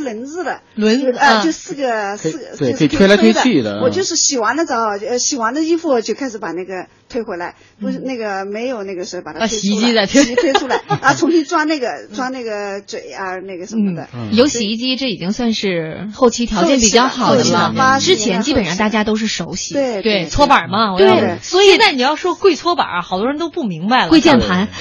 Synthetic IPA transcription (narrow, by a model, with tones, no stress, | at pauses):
lwə˧˥nt͡sɹ̩˥˩lə˩ | lwə˧˥n˧˥t͡ɕjo˧sɹ̩˥˩ɡə˩s̩˥˩ɡə˧we˥˩kʰt̪ʰwe˥la˥we˥˧i˥˩d̪ə̰˧wɔ˨˩t͡ɕjo˥˧ʊʂɻ̩˥˩ɕi˨˩xwa˧˥nd̪ə˧t͡sɑ˧˥ʊ˧˩˧ɕi˨˩xwa˧˥nd̪ə˧i˥fu˥˩t͡ɕjo˥˩ʊkʰa˥ɪʂɻ̩˧˩pa˨˩na˥˩ɡə˩ | t̪ʰwe˥ɪxwe˧˥ɪla˧˥ɪ | pu˥˧˩na˥˩ɡə˩me˧˥ɪjo˨˩ʊna˥˩ɡə˩ʂ̩˧˥˧pa˨˩t̪ʰa˧˩˥ɕi˧˥t͡ɕi˥t͡sa˥˧ɪt̪ʰwe˥˧we˥ʈ͡ʂʰu˥la˧ɪə˧t͡sʰʊ˧˥ŋɕi˥ŋʈ͡ʂwa˥na˥˩ɡə˩ʈ͡ʂwa˥na˥˩ɡə˩t͡swe˨˩˦ɪa˧na˥˩ɡə˩ʂə˧n̩˥mə˩d̪ə̰˧˩jo˧˥ʊɕi˧˥i˥˧t͡ɕi˥ʈ͡ʂɤ˥˩i˨˩i˥ŋswa˥˧nʂɻ̩˥˧xo˥˩ʊt͡ɕʰi˧˥t̪ʰjɑ˧˥ʊt͡ɕjɛ˥˩npi˨˩t͡ɕjɑ˥˩ʊxɑ˨˩ʊ˧d̪ə˦mɐ˧ʈ͡ʂɻ̩˥t͡ɕʰjɛ˧˥nt͡ɕi˥pə˨˩nʂɑ˥˧nt̪a˥˩t͡ɕja˥t̪o˥ʊʂ̬ɻ̩˥˩ʂo˧˥ʊɕi˧˥e˥˩t̪we˥˩ɪt͡sʰwɔ˥pə˞˨˩mɐ˦wɔ˨˩t̪je˥˧˩ɪ˧˥swɔ˧˥i˧˨˩na˥˩ni˨˩jɑ˥˩ʊʂwɔ˥kwe˥˧ɪt͡sʰwɔ˥bə̰˨˩xɑ˨˩t̪wɻə˧˥nt̪o˥pu˥˩mi˧˥ŋba˧˩ɪləke˥˧t͡ɕjɛ˥˩npʰa˧˥n